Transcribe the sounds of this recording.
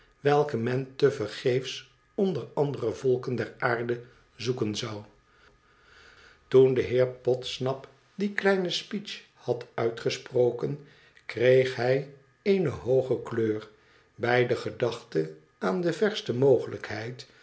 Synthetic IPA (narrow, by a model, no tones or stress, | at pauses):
ʋɛlˠkəmɛntəvəɹχejfs | ɔndərɑndərəvɔlˠkəndɛɹaːɹdə | zukənzɑw | tundəɦɪːɹpɔtsnɑp | diklɛjnəspit͡ʃ | hɑtœɥtχəsprowkən | krejχɦɛj | ejnəɦowχəkløːr | bɛjdəχədɑχtə | aːndəvɛɹstəmowχələkhɛjt